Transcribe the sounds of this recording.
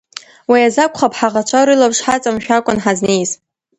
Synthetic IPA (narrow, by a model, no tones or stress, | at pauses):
wijazakʷʰʼχapʰħaʁat͡ʃʷʰaɾɨlabʂħat͡sʼamʃᶣakʷʼʊnħaznejz